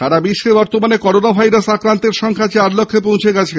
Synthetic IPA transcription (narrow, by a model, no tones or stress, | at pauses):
t̪aɾabiʃːebɔɾt̪omanekɔɾonabʱajɾasakɾant̪eɾʃɔŋkʰat͡ɕaɾlokʰːep̬õw̃t͡ɕʰeɡat͡ɕʰe